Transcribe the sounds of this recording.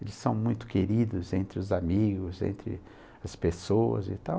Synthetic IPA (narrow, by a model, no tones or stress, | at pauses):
elɪsːɐ̃w̃mũj̃t̪ʊ̥keɾid̪ʊzẽnt̪ɾɪʊzamiɡʊzḛ̃nt̪ɾɪ̰ | ɐspesoɐ̰zɪ̰t̪aw